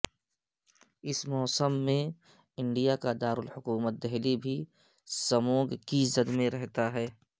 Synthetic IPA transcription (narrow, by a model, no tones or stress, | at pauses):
ɪsmɔːsəmːẽ | ɪ̃ɳɖijakad̪aːɾʊlhʊkuːmət̪̚d̪ɛɦlibʱi | səmoːɡkizəd̪mẽɾɛɦt̪aɦɛː